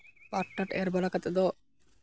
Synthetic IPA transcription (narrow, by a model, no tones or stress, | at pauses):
baʈːaʈeɾbɔlakat̪ed̪ɔ